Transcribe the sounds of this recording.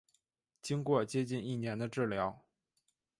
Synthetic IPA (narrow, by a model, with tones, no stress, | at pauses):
t͡ɕi˥ŋkwɔ˥˩t͡ɕjɛ˥t͡ɕi˥˧ni˥˩njɛ˧˥nd̪ə˧ʈ͡ʂɻ̩˥˩ljɑ˧˥ʊ